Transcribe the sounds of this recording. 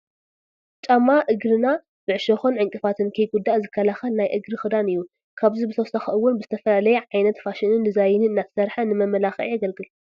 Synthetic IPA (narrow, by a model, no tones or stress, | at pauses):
t͡ʃʼamːaʔɨɡɾɨna | b̥ɨʕɨʃɐxonʕɨŋkʼɨfat̪ʰɨnkʰɐjɡud̪ːaʔzɨkʰːɐlaxɐlnajʔɨɡɾɨxɨd̪anɨjːu | kʰaβzibɨt̪ʰɐwsaxɐʔɨwːʊnbɨzɨt̪ʰɐfɐlalɐjɛʕajnɐt̪faʃɪnɨnd̪ɨzajɪnɨnɨnːat̪ʰɐ̥sɐɾħanɨmɐmɐlaxɐʔaɡɐlɡɨl